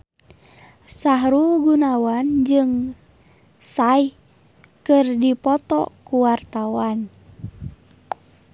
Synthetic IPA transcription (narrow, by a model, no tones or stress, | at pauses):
saɦɾuɡunawand͡ʒɨŋ | saih | kɨrdipɔt̪ɔ̰kuwart̪awan